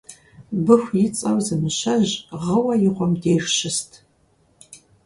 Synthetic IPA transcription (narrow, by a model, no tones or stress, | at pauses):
bɨxʷjɪt͡sʼɐwzɨmɨɕɐʑʁəwɐjɪʁʷɔmdeːjrɕɪstʰ